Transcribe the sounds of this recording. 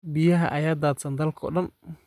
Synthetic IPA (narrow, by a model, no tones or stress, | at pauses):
bɪjɐɦɐ̰ʔɐjaːd̪aːd̪sɐnd̪ɐlkʰɔ̰ːɗɐn